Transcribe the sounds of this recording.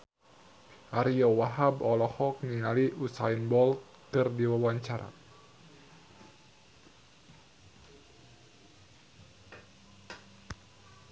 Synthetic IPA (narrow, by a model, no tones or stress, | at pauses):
ʔaɾiɔwaɦabɔlɔhɔk̚niŋaliʔusainbɔl | kɨrdiwawaɲt͡ʃaɾa̰